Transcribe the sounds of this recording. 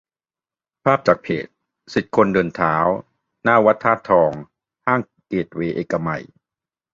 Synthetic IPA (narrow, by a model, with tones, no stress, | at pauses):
pʰaː˥˩p̚t͡ɕaː˨˩k̚pʰḛː˨˩t̪̚ | si˨˩t̪̚kʰo˧ndɤː˧nt̪ʰaː˩˦w | naː˥˩wa˦˥t̪ʰːaː˥˩p̚t̪ʰɔː˧ŋ | haː˥˩ŋ | ke˨˩t̪̚weː˧ʔeː˨˩kːa˧ma̰˨˩j